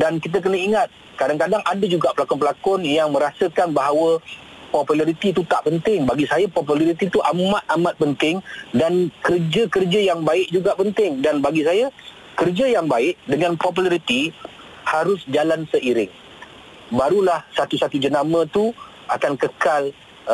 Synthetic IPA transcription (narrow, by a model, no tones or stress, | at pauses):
dankit̪̬ək̬ənəiŋat̪̚ | kadaŋkadaŋʔadad͡ʒuɡaʔpəlakɔnpəlakɔnjaŋmə̃ɾasəkanbaɦawə | pɔpulaɾit̪it̪̬ut̪aʔpənt̪ɪŋbaɡisajapɔp̬ulaɾit̪it̪uʔamãt̪̚ʔamãt̪̚pənt̪ɪŋdankərd͡ʒakərd͡ʒajaŋbaɪʔd͡ʒuɡaʔpənt̪ɪŋdanbaɡis̬aja | kərd͡ʒajaŋbaɪʔdəŋanpop̬ulaɾit̪i | haɾʊsd͡ʒalansəʔiɾɪŋ | baɾulahsat̪usat̪ud͡ʒənamə̃t̪u | akankəkal